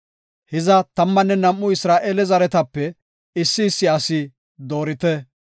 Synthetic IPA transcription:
hɪzɐt̪ɐmːɐnːɛnɐmʔːʊɪsɾaːʔeːlɛzɐɾɛt̪ɐpːɛ | ɪsːɪːsːɪɐsɪ | d̪o̞ːɾɪt̪ɛ

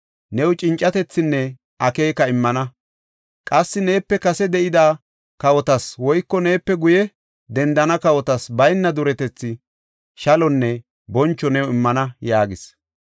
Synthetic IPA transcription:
nɛwʊt͡ʃʼɪnt͡ʃʼːɐt̪ɛt͡sːɪnːɛ | ʔɐke̞ːkɐɪmːɐnɐ | kʼɐsːɪne̞ːpːɛkɐsɛd̪ɛʔɪd̪aː | kɐwɔt̪ɐswɔjkːɔne̞ːpːɛɡʊjɛ | d̪ɛnd̪ɐnɐkɐwɔt̪ɐsbɐjnːɐd̪ʊɾɛt̪ɛt͡sːɪ | ʃɐlɔnːɛ | bɔnt͡ʃːɔnɛwɔɪmːɐnɐjaːɡɪs

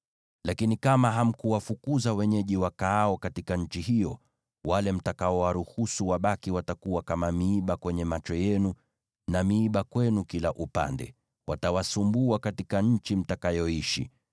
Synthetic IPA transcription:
lakinikamaɦam̩kuwafukuzawɛɲɛʄiwakaaɔkatikaɲ̩t͡ʃiɦijɔ | walɛm̩takaɔwaɾuhusuwaɓakiwatakuwakamamiːɓakwɛɲɛmat͡ʃɔjɛnu | namiːɓakwɛnukilaʔupa̰ndɛ̰ | watawasumbuakatikaɲ̩t͡ʃim̩takajɔiʃḭ

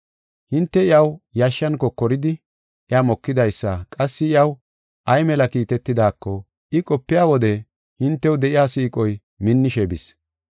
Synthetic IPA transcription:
hɪnt̪ːɛɪɐwjaːʃːɐnkːɔkɔɾɪd̪ɪ | ʔɪaːmɔkːɪd̪ɐjsːɐkʼɐsːɪɪjɐw | ʔɐjmɛlɐkiːt̪ɛt̪ːɪd̪aːkːɔ | ɪkʼɔpːɪjaːwɔd̪ɛ | hɪnt̪ːɛwd̪ɛʔɪjaːsiːkʼɔj | mɪnːɪʃɛbɪs

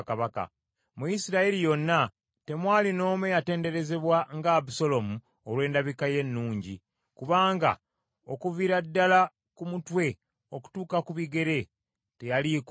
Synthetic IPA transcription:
kaβaka̰ | mujisiɾaelijo̞nːa | te̞mwaːlino̞ːmejate̞ːnde̞ɾe̞ze̞βwaŋɡaβuso̞lo̞mu | olwe̞ːndaβikaje̞nːuːɲɟi | kuβaːŋɡa̰ | o̞kuviɾadːala | kumutwe̞ | o̞ku̥tuːkakuβiɡe̞ɾe̞ | te̞jalik

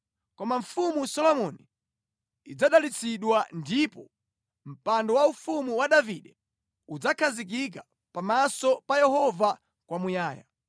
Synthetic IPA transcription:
kɔmaɱ̩fumusɔlɔmɔni | id͡zaɗalit͡sʰiɗwandipɔ | m̩pandɔwaufumuwaɗaviɗɛ | ud͡zakʰazik̬ik̬a | pamasɔpajɛhɔva | kwamujaːja̰

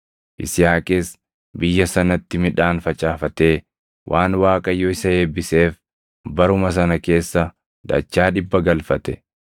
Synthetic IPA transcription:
ʔɪ̰sɪjaːkʼes | bɪjːɐsɐnɐt̪ːɪmɪᶑaːnfɐt͡ʃʼaːfɐt̪e̞ː | wʔaːnwaːkʼɐjːoːɪsɐhe̞ːbːɪseːf | bɐɾʊmɐs̬ɐnɐke̞ːsːɐ | d̪ɐ̰t͡ʃːaːᶑɪbːɐɡɐlfɐt̪ɛ

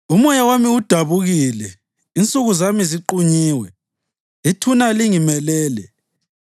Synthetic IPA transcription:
umɔjawamiud̥ʱaβuɣilɛ | int͡sʼuɣuzamiziǃuɲiːwɛ | itʰunaliŋimɛlɛːlɛ

